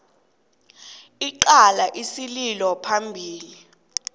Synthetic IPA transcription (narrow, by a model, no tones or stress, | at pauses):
iǃalaʔisililɔpʰambʱiːli